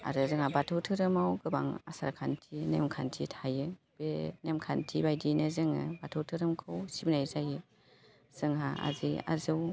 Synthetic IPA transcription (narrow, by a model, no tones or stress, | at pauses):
a̰ɾɯzɯŋabatʰɯwtʰɯɾɯmawɡɯba̰ŋa̰sa̰ɾkʰantʰinḛmkʰantʰitʰajɯ | b̥enemkʰantʰibajdinɯzɯŋɯ̰batʰɯwtʰɯɾɯmkʰɯwsibnajzajɯ | z̥ɯŋhaa̰zia̰zɯw